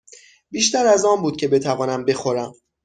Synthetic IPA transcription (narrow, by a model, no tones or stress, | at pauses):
biːʃt̪æɾæzɒːmbuːd̪̥̚cʰe̞be̞t̪ʰævɒːnæmbe̞xo̞ɾæm